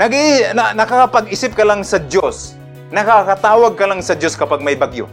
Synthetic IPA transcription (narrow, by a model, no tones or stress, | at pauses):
nɐɡɪnanɐkaapaɡɪsɪp̚kɐlaŋsɐd̪jos | nɐkakat̪aːwaɡ̚kɐlaŋsɐdjoskɐpaɡ̚majbaɡjo̰